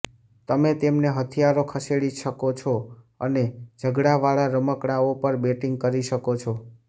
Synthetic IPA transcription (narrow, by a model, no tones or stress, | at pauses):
t̪əmet̪emneɦət̪ʰijaɾokʰəseɽiʃəkot͡ʃʰo | ə̰ned͡ʒʱəɡɽaʋaɭaɾəməkɽaopəɾbeʈiŋɡ̚kəɾiʃəkot͡ʃʰo